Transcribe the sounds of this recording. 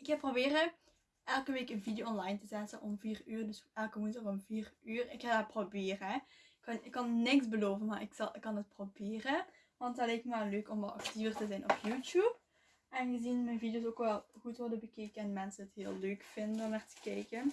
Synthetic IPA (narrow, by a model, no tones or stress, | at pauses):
ɪkhɛprobeːrə | ʔɛlˠkəʋeːkənvidijoɔnlɑjntəzɛtənʔɔmviːryːrdɵsɛlˠkəmuntəʁɔmviːryːrɪkhadaːprobɪːrəɪkːɑnɪkːɑnnɪksbəloːvənmaːɹɪksɑlˠɪkːɑnət̚probɪːrə | ʋɑntɑtlɛjk̚maløːkɔmʋɑlˠɑ̰ktivərtəzɛjnʔɔpjuːtjup | ʔɛnɣəzinmɛjnvidijoːsoːkʋɛlˠɣutʋɔrdəbəkeːkənɛnmɛnsəətɦɪːlˠløːkfɪndənɔmnaːrtə̥kɛjkən